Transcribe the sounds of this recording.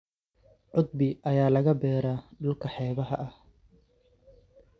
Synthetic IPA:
ʕʊd̪̚bɪʔɐjaːlɐɣɐbɛːɾaːɖʊlkʰɐħɛːβɐɦɐʔɐh

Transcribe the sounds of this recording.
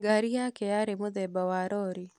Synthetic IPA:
ɡaɾijakejaɾemʊd̪ɛbawaɾɔɾi

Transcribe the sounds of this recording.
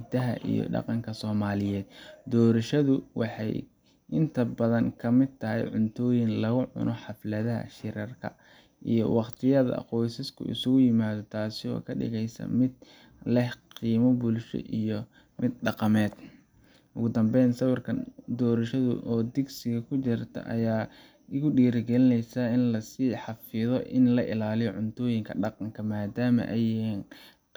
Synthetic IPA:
d̪ɐɦɐ̰ʔḭjɔ̰ɖɑ̰qɑŋkʰɐsɔːmaːlɪjɛːd̪̥d̪ɔːɾɐʃɐðʊwʔɑ̰ħɑ̰j | ʔɪnt̪ʰɐbɐðɐŋkʰɐmɪd̪̚t̪ʰɐɦɛ̰jʕʊnt̪ʰɔːjɪnlɐɣʊʕʊ̰nʔɔħɑflɐðɐɦɐ̰ʃɪɾɐrkʰɐ̰ | ʔijɞ̰wɑqt̪ʰɪjɐðɐ̰qɔjsɪskʰʊ̰ʔɪ̰sʊɣʊjɪmaːðɔt̪ʰaːsɪɔ̰ːkʰɐɖɪ̰ɣɛjsɐ̰mɪd̪̚ | lɛhqiːmɔbʊlʃɔ̰ʔijɔ | mɪd̪̚ɖɑqɑmɛːd̪ | ʔʊɣʊd̪ɐmbɛjnsɐwɑrkʰɐnd̪ɔːɾɐʃɐðʊ̰ʔɔːd̪ɪɡsɪɣɐkʰʊt͡ʃɪrt̪ʰɐ̰ʔɐ̰jaː | ɪɣʊɖiːɾɡɛlɪnɛjsɐɪnlɐsiːħɑfɪðɔʔɪnlɐʔɪ̰laːlɪjʕʊnt̪ʰɔːjɪŋkʰɐɖɑqɑŋkʰɐmaːd̪aːmɐ̰ʔɛjɪɛːn

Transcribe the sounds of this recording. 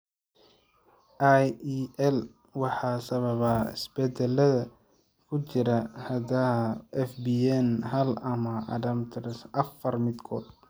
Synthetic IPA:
ʔajʔɛl | wɑħɑːsɐβɐβɐɪ̰sb̥ɛd̪ɛlɐðɐ | kʰʊt͡ʃɪɾɐhɐdaɛfbiɛnɦɐlɐmɐʔɐ̰dɐmt̪ʰɾɛsʔɐfɐrmɪd̪kʰɔːd̪

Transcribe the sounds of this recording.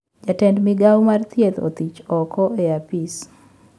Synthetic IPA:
d͡ʒatɛndmɪɡawmart̪jet̪o̰t̪it͡ʃɔkʰɔʔeapis

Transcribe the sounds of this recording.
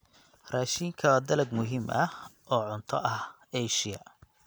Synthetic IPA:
raːʃiŋkʰɐd̪ɐlɐɡmʊɦiːmʔɐhʔɔːʕʊnt̪ʰɔʔɐh | ɛjʃɪjɐ̰

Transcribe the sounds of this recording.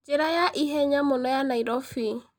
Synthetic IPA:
d͡ʒeɾajaʔiɦɛɲamʊnɔjanaiɾɔfi

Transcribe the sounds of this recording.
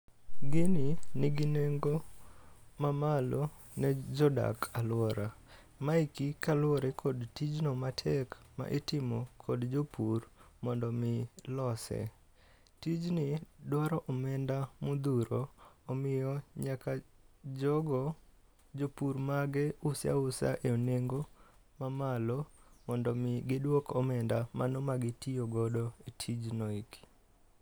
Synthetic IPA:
ɡɪnɪnɪɡɪneŋɡo | mamalo | nɛd͡ʒɔda̰kʰalwɔɾa | maikikalwɔɾekʰodtid͡ʒnomatʰɛkma̰ʔetɪmokʰodd͡ʒopurmɔndɔmɪlɔsɛ̰ | tid͡ʒnɪdwɔɾɔʔɔmɛndamud̪uɾoːmɪjɔɲakad͡ʒɔɡɔ | d͡ʒopuɾmaɡɛʊsja̰ʊsa̰ʔeoneŋɡo | mamalomɔndɔmɪɡɪdwokɔmɛndamanɔmaɡɪtijoɡɔdɔitʰid͡ʒnɔik

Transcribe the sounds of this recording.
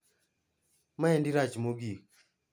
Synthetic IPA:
maɛndiɾat͡ʃmoɡi

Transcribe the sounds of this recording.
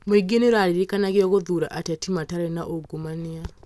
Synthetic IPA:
meɡeneɾaɾiɾekanaɣeɔɣoðuɾa̰ʔatatimataɾenaʔoɡomanea

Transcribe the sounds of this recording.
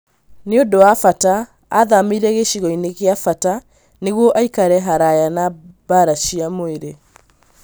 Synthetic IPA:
neodowafata | aðamiɾɛɣeɕiɣɔineɣeafata | neɣwɔʔaikaɾɛɦaɾajanabaɾaɕiamoeɾe

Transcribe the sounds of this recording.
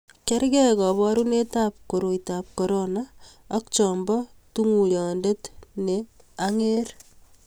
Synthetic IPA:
kɛɾkɛkɔβɔɾunetap̚koɾoitap̚kɔɾona | ɔk̚t͡ʃɔmbɔ | tuŋuljɔndetne | aŋeɾ

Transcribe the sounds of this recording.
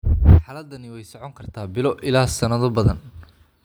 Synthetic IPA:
mħaːlɐd̪ːɐnɪwɛjsɔʕɔŋkʰɐrt̪ʰaːbɪlɔʔɪlaːsɐnɐðɔbɐðɐn

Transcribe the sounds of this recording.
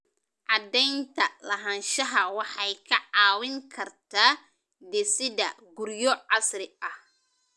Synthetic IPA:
ʕɑd̪ɛjnt̪ʰɐlɐɦɐnʃɐɦɐwɑħɑjkʰɐʕɑːwɪŋkʰɐrt̪ʰaː | d̪ɛsɪðɐɡʊɾjɔʕɑsɾɪʔɐh

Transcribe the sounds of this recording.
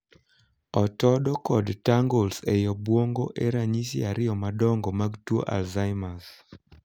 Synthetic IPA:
ɔtɔdɔkɔdtaŋɡolsejɔbwoŋɡoʔeɾaɲisiaɾɪɔmadɔŋɡɔmaɡtwo̰ʔa̰lzajmas

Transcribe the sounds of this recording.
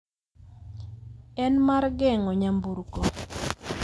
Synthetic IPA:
ɛnmarɡɛŋɔɲambuɾkɔ

